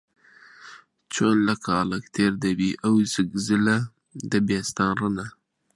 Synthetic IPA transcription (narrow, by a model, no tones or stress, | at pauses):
t͡ʃonlakalakt̪ʰeɾd̪awiʔawzɡzɪla | d̪əbjest̪ɑnɾəna